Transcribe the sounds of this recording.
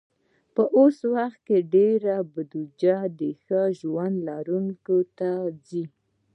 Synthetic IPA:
pəʔoswaxt̪̚keɖeɾabad̪ud͡ʒad̪əxəʒwand̪lɑɾuŋkot̪ad͡zi

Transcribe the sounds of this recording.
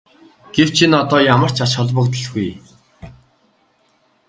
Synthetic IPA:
ɡ̥ew̥t͡ɕʰinɔt̪ɔːjamə̆r̥t͡ɕʰat͡ɕχɔɮpə̆kt̪ə̆ɮɡuj

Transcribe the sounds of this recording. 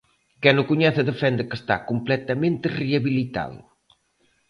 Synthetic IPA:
kɛnʊkuɲɛθəðəfɛnd̪əkəst̪a̰kumplɛt̪ɐmẽnt̪əriɐβilit̪a̰ðṵ

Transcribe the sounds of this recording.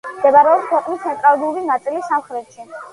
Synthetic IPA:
md̪ɛbaɾɛɔpskʰwɛqʼnist̪sʰɛnt̪ʼɾalˠuɾinat̪sʼilisamχɾɛt̪ʃi

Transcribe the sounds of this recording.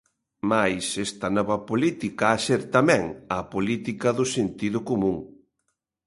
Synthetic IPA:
majsɛst̪ɐnɔβɐpolit̪ikɐaseɾt̪amɛ̃ŋɐpolit̪ikɐðʊsent̪iðʊkomũŋ

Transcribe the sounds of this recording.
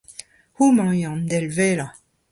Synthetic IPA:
humɑ̃yɑ̃nd̪ɛlvɛːla

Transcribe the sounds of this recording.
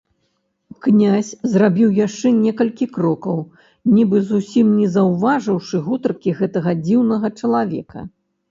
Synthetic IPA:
knʲasʲzrabʲiwjaʂt͡ʂɛnʲɛkɐlʲkʲikɾɔkɐw | nʲibɨzusʲimnʲɛzɐwvaʐɨwʂɨɣut̪ɐrkʲiɣɛt̪ɐɣɐd͡zʲiwnɐɣɐt͡ʂɐlˠavʲɛ̰kɐ̰

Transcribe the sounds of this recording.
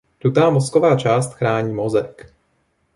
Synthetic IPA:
dut̪aːmɔskovaːt͡ʃaːst̪xɾaːɲiːmɔzɛk

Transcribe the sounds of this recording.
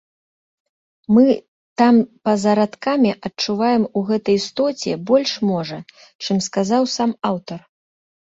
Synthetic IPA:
mɨ | t̪ampɐzɐɾat̪kamʲiʔɐt͡ʂuvajɛmuɣɛt̪ɐjst̪ɔt͡sʲɛbɔlʲʂmɔʐɐ | t͡ʂɨmskazawsamawt̪ɐr

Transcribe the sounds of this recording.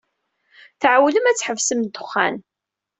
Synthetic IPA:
θʕawləmæt͡sːħəvsəmd̪ʊχːæ̰n

